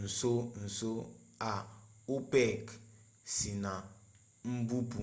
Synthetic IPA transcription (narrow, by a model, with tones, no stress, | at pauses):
n̩˨so˦n̩˨so˦a˨u˦pɛ˦˨k | si˨na˨ | m̩˦bu˦pu˨